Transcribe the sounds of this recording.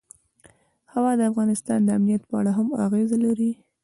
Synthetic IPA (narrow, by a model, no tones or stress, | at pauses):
hawɑd̪əafɣɑnɪst̪ɑnd̪əamnijat̪pəaɽaɦama̰ɣezalaɾi